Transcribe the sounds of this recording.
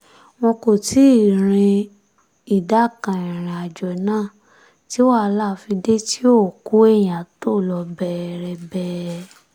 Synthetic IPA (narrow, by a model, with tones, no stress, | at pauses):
w̃ɔ̃˧ko˨ti˦˨ɾ̃ĩ˧ | i˨da˨˦˨kã˨ĩ˨ɾ̃ĩ˨a˨d͡ʒɔ˨˦nãː˦˨ | ti˦o˦a˦˧la˦˨˧fi˧de˦ti˦o˦˨ku˦e˦˨j̃ã˨to˦˨lɔ˧bɛ˦˨ɾɛ˧bɛ˦